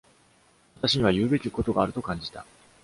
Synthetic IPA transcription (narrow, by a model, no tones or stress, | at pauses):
βat̪aɕiɲ̟iβajɯ̟ːbe̞kʲiko̞t̪o̞ɡaːɾɯ̟t̪o̞kãɲ̟d͡ʑi̥t̪a̰